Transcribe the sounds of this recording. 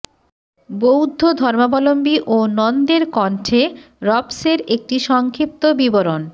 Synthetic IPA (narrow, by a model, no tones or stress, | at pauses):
bowd̪ʱːod̪ʱɔɾmabɔlombiʔonɔnd̪eɾkɔɳʈʰe | ɾɔbseɾek̚ʈiʃɔŋkʰip̚t̪obiboɾon